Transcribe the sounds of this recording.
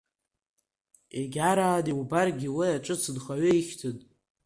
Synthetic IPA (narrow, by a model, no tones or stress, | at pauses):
eɡʲaɾaːdiwubarɡʲilɨjaʈ͡ʂʼɨt͡sʰɨdχaɥɪiχʲtʰɨtʼ